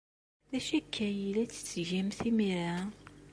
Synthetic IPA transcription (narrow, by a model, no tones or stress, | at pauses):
ðæʃækʰːæjilæt͡sːə̥t͡sːʝæmθimiɾa